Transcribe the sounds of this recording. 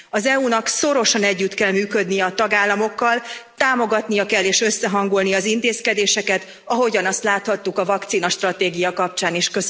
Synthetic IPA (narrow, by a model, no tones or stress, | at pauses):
ɒzɛunɒkso̞ɾo̞ʃɒnɛɟːyt̪kɛlmyːkød̪nijɛɒt̪ɒɡaːlːɒmo̞kːɒlt̪aːmo̞ɡɒt̪nijɒkɛlːeːʃø̞sːɛɦɒŋɡulnijɒzint̪eːskɛd̪eːʃɛkɛt̪ | ɒɦo̞ɟɒnɒst̪laːt̪hɒt̪ːukɒvɒkt̪siːnɒʃt̪rɒt̪eːɡijɒkɒp̚t͡ʃaːniʃkø